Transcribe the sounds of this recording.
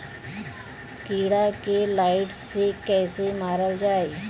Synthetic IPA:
kiːɽakelaːɪʈsːekɛːsemaːɾəld͡ʒaːeː

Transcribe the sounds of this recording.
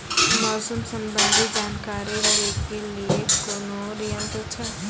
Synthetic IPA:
maːsəmsəmbənd̪ʱid͡ʒaːnkaːɾiɾɾekelijekoːnoɾijənt̪ət͡ʃʰə

